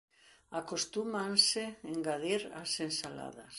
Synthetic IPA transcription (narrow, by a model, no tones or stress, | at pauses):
akost̪umansɪeŋɡaðiɾasensala̰ðas